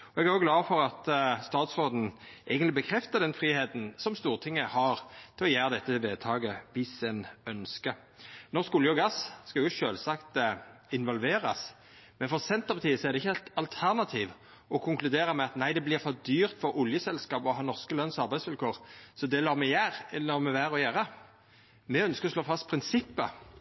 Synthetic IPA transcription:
ɔɛɡæʁɔɡlɑːfɔɾɑt̪st̪ɑːt̪sʁoːd̪n̩ʔæɪɡənlɪbəkʰɾɛft̪əʁd̪ɛnfɾiːheːt̪n̩sɔmst̪uːʁt̪ʰɪŋːəhɑʁt̪ʰɔjæːʁəd̪ɛt̪ːəʋeːd̪̚t̪ʰɑːɡəʋɪsɛnœnskə | nɔskʊljəɔɡɑsskɑjʊʃøːlsɑkt̪ɪnʋɔlʋeːɾɑs | mɛnfɔʁsɛnt̪əbɑt̪ʰiːəsɔɛʁd̪ɛɪçːəɛt̪ɑlt̪ʰæʁnɑt̪ʰiːʋ | ɔkʰʊŋklʉd̪eːʁɑmɛɑt̪næɪd̪ɛblɪʁfɔʁd̪yːʁt̪fɔɾʊljəsɛlskɑːpɔɦɑːnɔʁskəlœnsɑɾbæɪsʋɪlkʰoːʁsɔd̪ɛlɑːmɛjæːʁɛnɔʁmɛʋæːʁɔjæːɾɑ | mɛœnskəɾɔsloːfɑst̪̚pʰɾɪnsɪpːə

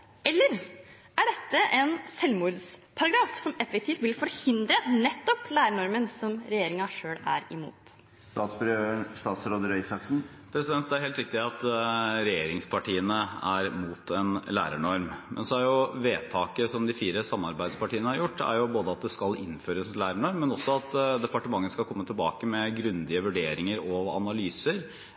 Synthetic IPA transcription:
ɛlːəɾ | æɖɛt̪ːəʔɛnsɛlmuːd̪spʰɑɾɑɡɾɑːfsɔmɛfək̚t̪ʰiːft̪ʋɪlfɔɾhɪnd̪ɾənɛt̪ːɔplæːɾəɳɔɾmənsɔmɾɛjeːɾɪŋɑʂøːɽæ̰ɾɪmṵːt̪ | ɑsøst̪ɑːt̪sɾoːd̪əɾœʏsɑksn̩ | pʰɾɛsɪd̪ɛnt̪æɾheːlt̪ɾɪkt̪ɪɑt̪ɾɛjeːɾɪŋspʰɑʈiːənəæɾmuːt̪ʰɛnlæ̰ːɾəɳɔɾmmʔɛ̰nsɔæɾjʊʋeːt̪ʰɑːkəsɔmd̪ɪfiːɾəsɑmːɑɾbæɪd̪spʰɑʈiːənəhɑɾjʊʈːæ̰ɾjʊboːd̪əɑt̪̚d̪ɛskɑlɪnføːɾəsnlæːɾəɳɔɾmːɛnɔsːɔɑt̪d̪ɛpɑʈəmɑŋːəskɑkʰɔmːət̪ʰɪlbɑ̰ːkəmɛɡɾʉnd̪ɪəʋʉɖeːɾɪŋəɾɔɑ̰nɑlyːsəɾ

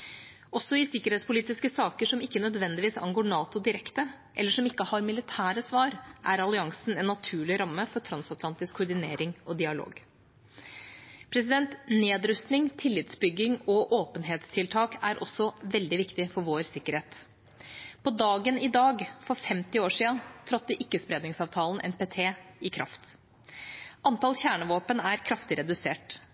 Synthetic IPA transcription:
ɔsːɔɪsɪkːəɾheːt̪spʊliːt̪ɪskəsɑːkəʂɔmɪkːənœd̪ʋɛnd̪ɪʋiːsɑ̰nɡoːɳɑːt̪ʊd̪ɪɾɛkt̪ə | ʔɛlːəʂɔmɪkːəhɑɾmɪlɪt̪ʰæːɾəsʋɑːɾʔæ̰ɾɑlɪɑŋsn̩ɛnːɑt̪ʰʉːɭɪɾɑmːəfɔʈʰɾɑnsɑt̪lɑnt̪ɪskʰːʊɖɪneːɾɪŋɔd̪ɪɑlo̰ːɡ | pʰɾɛs̬ɪd̪ɛnt̪neːd̪ɾʉst̪nɪŋt̪ʰɪlːɪt̪sbʏɡːɪŋɔʔoːpənɦeːt̪st̪ʰɪlt̪ʰɑːkæɾʔɔsːɔʋɛld̪ɪʋɪkt̪ɪfɔɾʋoːɾsɪkːəɾheːt̪ | pʰɔd̪ɑːɡənɪd̪ɑːɡfɔɾfɛmt̪ɪoːʂiːənt̪ʰɾɔt̪̚ːəʔɪkːəspɾeːd̪nɪŋsɑːʋt̪ʰɑːln̩ʔɛ̰npʰeːt̪ʰeːɪkʰɾɑ̰ft̪ | ʔɑnt̪ɑlçæːɳəʋoːpənæɾkʰɾɑft̪ɪɾɛd̪ʉseːʈ

